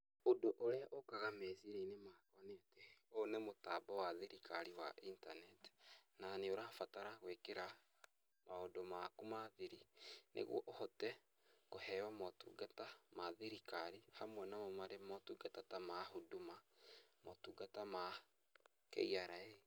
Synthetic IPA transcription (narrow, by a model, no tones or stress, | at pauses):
odoʔoɾeaʔokaɣamesiɾeinemakaneatɛonemotabɔwaðiɾikʰaɾiwa̰ʔintanɛti̥naneoɾafataɾaɣwekeɾa | maodomakumaðiɾinʔḛɣw̰ɔ̰ʔohɔtɛ | ɣohɛwamɔtṵɡatamaðiɾikaɾihamwɛnamɔmaɾemɔtuːɡatatamahodumamotuːɡatama | kḛiaɾae